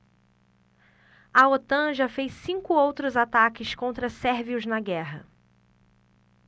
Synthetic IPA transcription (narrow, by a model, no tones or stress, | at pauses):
ɐot̪ɐ̃ʒɐfejsĩŋkʊowt̪ɾʊzat̪akɪskõnt̪ɾɐsɛɾviʊznɐɡɛɦɐ̰